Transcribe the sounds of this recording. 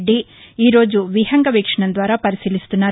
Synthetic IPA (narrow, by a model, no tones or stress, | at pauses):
ɖːiiːɾo̞ːd͡ʒuʋiɦɐŋɡɐʋiːkʂɐɳɐnd̪ʋaːɾɐpɐɾisilist̪unːaː